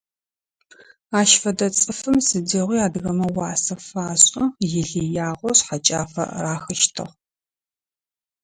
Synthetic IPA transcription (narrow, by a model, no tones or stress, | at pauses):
aːʃfɐdɐt͡sʼɨfɨmsɨdeʁʷiːaːdɣɐmɐwɑːsɐfaːɕʼɐjɪɮijaːʁʷɔɕħat͡ʃʼa̰ːfɐ̰raːxɐʃtʰɨ̰ʁ